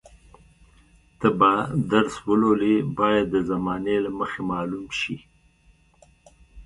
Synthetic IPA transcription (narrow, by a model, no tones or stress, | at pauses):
t̪əbad̪aɾswəlolebɑjad̪ːəzamɑnelaməxemɑlumʃi